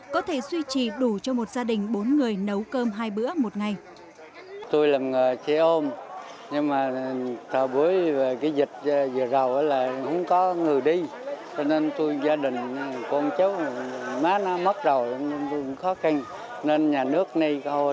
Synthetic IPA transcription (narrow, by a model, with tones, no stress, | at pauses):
kɔ˨˦t̪ʰe˧˩swi˧t͡ɕi˨˩ɗu˧˩t͡ɕɔ˧mo˨˩t̚zaː˧ɗï˨˩ŋ̟ɓo˨˦nŋɨ˨˩əjnə˨˦wkəː˧mɦaː˧jɓɨ̰˧˥əmo˨˩t̚ŋa˨˩j | t̪u˧jlaː˨˩mŋəː˨˩t͡ɕe˧˦ʔo˧mɲɨ˧ŋmaː˨˩t̪ʰəː˨˩ɓu˨˦əjveː˨˩kaː˨˦jzï˨˩kt̚ːzɨ̰˨əza˨˩wʔəː˨˦laː˨˩hə̰˧˥wŋ͡mkɔ˨˦ŋɨ˨˩əjɗi˧ | t͡ɕɔ˧ne˧nt̪u˧jzaː˧ɗï˨˩ŋ̟˨kɔ˧nt͡ɕə˦˥wmaː˨˦˥nɔ˨˦mə˦˥t̚za˨˩wxɔ˨˦xa˧ŋ | ne˧nɲaː˨˩nɨ˦˥ək̚ni˧jk